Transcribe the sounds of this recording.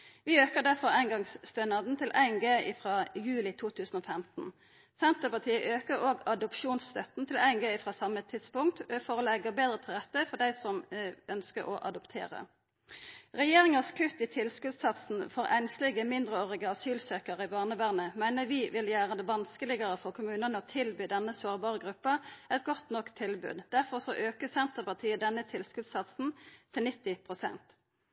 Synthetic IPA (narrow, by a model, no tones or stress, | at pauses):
ʋɪøːkəʁd̪æʁfɔʁæɪnɡɑŋsst̪œnɑd̪n̩t̪ʰɪlʔæ̰ɪnɡeːɪ̰fʁɑːjʉːlɪt̪ʰuːt̪ʰʉːsn̩oːfɛmt̪n̩ | sɛnt̪əpɑʁt̪ʰiːəʔøːkəʁoːɡɑd̪ʊpʃuːnsst̪œt̪n̩t̪ʰɪlæɪnɡeːɪfʁɑːsɑmːət̪ʰɪt̪spʊŋkt̪fɔʁoːlɛɡəbeːd̪ʁət̪ʰɪlʁɛt̪ːəfɔd̪æɪsɔmœnskə̰ʁɔ̰ʔɑ̰d̪ɔpt̪ʰḛːʁə̰ | ʁɛjeːʁɪŋɑskʰʉt̪ɪt̪ʰɪlskʉd̪sɑt̪sn̩foːʁʔæɪnslɪɡəmɪnd̪ʁəoːʁɪɡəɑsyːlsøːkəʁəɪbɑːʁnəʋæːʁnəmæɪnəʋɪʋɪljæːʁəd̪ɛʋɑnskəlɪɡəʁəfɔʁkʰʊmʉːnənəɔt̪ʰɪlbyːd̪ɛnəsoːʁbɑːʁəɡʁʉpːɑɛt̪ɡɔt̪nɔkt̪ʰːɪlbʉ̰ːd̪d̪̥æʁfɔʁsɔʔøːkəsɛnt̪əʁpɑt̪ʰiːəd̪ɛnːət̪ʰɪlskʉd̪sɑt̪sn̩t̪ʰɪlnɪt̪ːɪpʰʁʊsɛ̰nt̪